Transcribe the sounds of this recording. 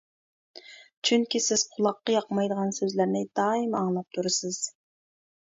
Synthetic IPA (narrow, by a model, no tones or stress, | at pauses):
t͡ʃʰyŋkʲisɪz̥qʰʊlˠɑqːɑjɑqmɑjd̪əʁɑnsøzlæɾnɪd̪̥ɑːimɑŋlˠɑp̚t̪ʰuɾɨsɨz̥